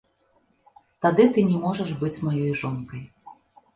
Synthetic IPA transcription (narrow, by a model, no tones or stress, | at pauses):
t̪ad̪ɨt̪ɨnʲɛmɔʐɐʐbɨt͡sʲmajɔjʐɔnkɐj